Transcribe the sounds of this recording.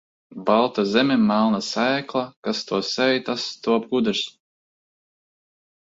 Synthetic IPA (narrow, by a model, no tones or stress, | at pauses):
balˠt̪azʲɛmʲɛmalˠnasæjklˠakast̪uɔsɛjt̪ast̪uɔpɡud̪ɨs